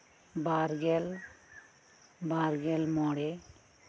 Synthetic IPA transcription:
baɾɡɛl | baɾɡɛlmɔɽe

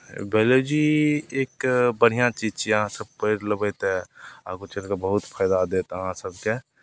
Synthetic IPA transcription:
beled͡ʒieːkbəɽ̤ijãt͡ʃid͡ʒt͡ʃʰiəɦãsəb̚pəɪɾləbət̪ɦɛ̃a̰kot͡ʃelkabəɦʊt̪pʰaːd̪ad̪et̪əɦãsəb̚ke

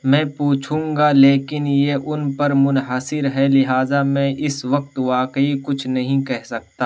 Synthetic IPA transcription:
mɛ̃ːpuːt͡ʃʰũːŋɡaleːkɪnjeʔʊnpɐɾmʊnɦasɪɾɦɛlɪɦaːzamɛ̃ːʔɪsʋɐk̚t̪ʋaːkəikʊt͡ʃʰnɐɦĩkɛɦsɐk̚t̪aː

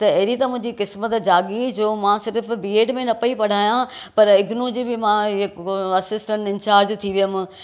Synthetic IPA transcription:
t̪ɐɐɦɾit̪ɐmʊ̃ɦɪ̃ɲd͡ʑikɪsmət̪d͡ʑaːɠid͡ʑoːmãsɪɾf̆bieːɖmẽnɐpɐipɐɽ̤aːjãpɐɾɪɡnũd͡ʑibɪmãɪkɐsɪsʈə̃ɳʈɪnt͡ɕaːɾd͡ʑt̪ʰiʋijʊmɪ̃

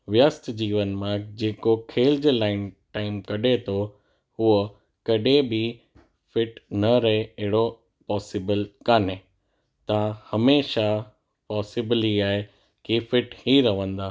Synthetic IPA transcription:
ʋjəst̪d͡ʑiːʋənmãd͡ʑeːkokʰeːld͡ʑlaːɪnʈaːɪmkɐɗet̪ʰo | huə | kɐɗebɪ | fɪʈnɐɾɐɦeɐɦɪɽo | pɔːsɪbəlkaːne | t̪ɐãhɐmeːʃa | pɔːsɪbɪliaːɦe | kifɪʈhiɾɐʋə̃nd̪aː

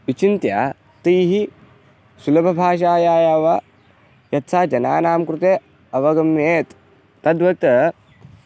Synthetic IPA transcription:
ʋit͡ʃint̪ja̰ː | t̪ijɦi | sulɐbʱɐbʱaːʃ̬aːjaːjaʋɐ | jɐt̪saːd͡ʒɐna̰ːnaːmkɾut̪eː | ɐʋɐɡɐmjeːt̪ː | ɐd̪ʋɐt̪ɐ

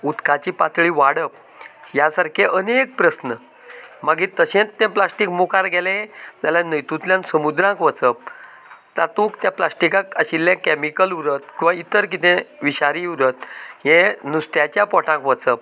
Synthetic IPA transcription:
ut̪kat͡ɕiːpat͡s̪ɭiʋaɽəp̚ | jasaɾkʰeʔənek̚pɾəsnə | maɡit̪əɕẽt̪t̪ɛ̃plasʈikmukaɾɡɛlẽd͡z̪alãnəjt̪ut̪ljãnsəmud̪ɾãkʋət͡səp̚ | t̪at̪ũkt̪japlasʈikãkəɕilːjãkɛmikəluɾət̪̚kĩʋait̪əɾk̬it̪ẽʋiɕaɾiuɾət̪̚ɦɛ̃nusʈ̪jat͡ɕjapɔʈʰãŋkʋət͡səp̚

